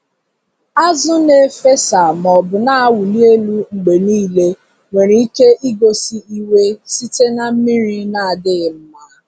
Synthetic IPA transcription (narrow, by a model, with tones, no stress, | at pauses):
a˦zʊ˦ne˨˦fe˦sa˨mɔ˨bʊ˨na˦˨wu˨li˦e˦lu˦ŋ͡m̩˨ɡ͡be˨niː˦˨le˦ | ŋʷe˨ɾi˨i˦ke˦ʔi˦ɡo˦si˦i˦we˦si˦te˦na˦m̩˦mi˦ɾi˦na˦a˨dɪ˦ɣɪ˨m̩˦ma˦